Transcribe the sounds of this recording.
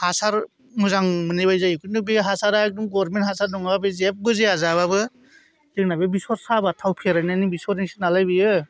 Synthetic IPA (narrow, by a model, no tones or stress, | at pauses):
hasaɾ | muzaŋmɯniβajzajikʰɯnubiɦasaɾak̚duŋɡɔɾmenthasaɾnɔŋababɯzep̚bɯzeazaβabɯ | zɯknabebisɔɾsabatʰawpʰeɾajnanibisɔɾiŋsinalajbɯjɯ